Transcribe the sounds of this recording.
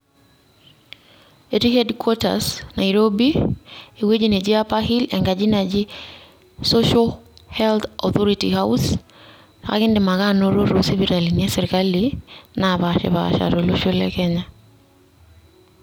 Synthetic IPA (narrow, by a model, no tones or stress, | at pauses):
etihɛdkwɔta̰sna̰iɾobiewed͡ʒined͡ʒiapaɦilɛŋɡad͡ʒinad͡ʒi | sɔʃɔhɛlt̪ɔθɔɾitḭhaws | a̰kɪndɪmaɣanoɾoɾosiβiɾaliniasɛɾikalinaβaʃɛ̰βa̰ʃa̰ɾoloʃulɛkɛɲa